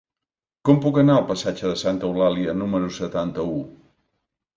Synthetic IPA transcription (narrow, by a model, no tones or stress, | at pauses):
kɔmpukənaəlˠpəsad͡ʒəðəsant̪əulaliənuməɾusət̪ant̪əu